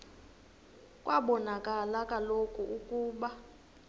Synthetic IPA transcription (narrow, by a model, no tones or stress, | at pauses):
kʼwʔaɓɔnakʼalakʼalokʼuʔukʼuːɓa